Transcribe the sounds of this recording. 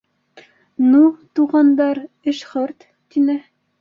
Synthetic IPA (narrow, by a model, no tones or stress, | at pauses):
nut̪uʁɑnd̪ɑɾ | ɘʃχɤɾt̪ːinɘ